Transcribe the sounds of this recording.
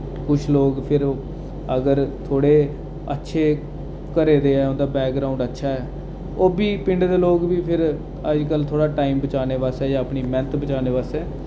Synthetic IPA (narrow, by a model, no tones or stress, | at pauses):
kʊt͡ʃʰloːɡpʰɪɾ | əɡəɾt̪ʰoːɽeː | ə̰tːʃʰeː | kəɾeːd̪eːɛːõnd̪aːbɛːk̚ɡɾaːʊ̃ɳɖətːʃʰaːɦɛː | oːbiːpɪɳɖd̪eːloːɡbiːpʰɪɾ | əd͡ʒkəlt̪ʰoːɽaːʈaːimbət͡ʃaːneːʋaːsɛːd͡ʒãːəpniːmɛ̃nt̪bət͡ʃaːneːʋaːsɛː